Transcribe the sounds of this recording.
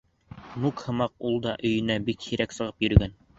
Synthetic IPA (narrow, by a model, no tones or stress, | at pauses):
nukhɤ̆mɑq̚ulˠd̪ɑʔɵ̆jɘ̆næbikhiɾæksɤ̆ʁɤpjɵ̆ɾɵ̆ɡæn